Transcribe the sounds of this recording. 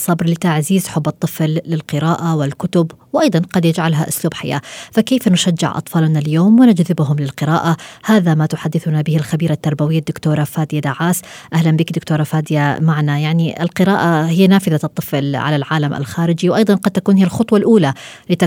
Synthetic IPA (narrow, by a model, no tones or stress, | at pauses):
sˤːɑbɾlɪt̪aʕziːzħʊbːɨt̪ˤːɨflːɪlqɨɾaːʔawɪlkʊt̪ʊbwʔɑjd̪ˤɑnqɑd̪jɪd͡ʒʕalɦaʔʊsluːbħa̰ja̰ːfakeːfnʊʃad͡ʒːɪ̰ʕʔɑ̰t̪ˤfɑːlnaljoːmwɪnad͡ʒðɪbɦʊmlɪlqɨɾaːʔahaːðamat̪ʊħad̪ːɪθʊnabɪhɪlxabiːɾat̪ːɑɾˤbawɪjːad̪ːʊkt̪oːɾˤɑfaːd̪ɪjad̪aʕaːsʔahlanbɪkd̪ʊkt̪oːɾˤɑfaːd̪ɪjamaʕnajaʕniʔɪ̰lqɨɾaːʔahɪjːnaːfɪðat̪ˤːɨflʕa̰lalʕaːlama̰lxaːɾɪd͡ʒiwʔɑjd̪ˤɑnqɑd̪̚t̪akuːnhɪjːalxʊt̪ˤwɑlʔuːlalɪt̪a